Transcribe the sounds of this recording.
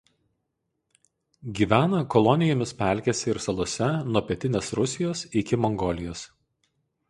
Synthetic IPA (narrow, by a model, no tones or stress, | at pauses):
ɡʲiːʋʲæːnɐkɔlˠɔnʲɪjoːmʲɪspʲæˑlʲkʲesʲɪɾsɐlˠuɔsʲɛnuɔpʲɛt̪ʲɪnʲeːsɾʊsʲɪjoːsɪkʲɪmɔŋɡɔlʲɪjoːs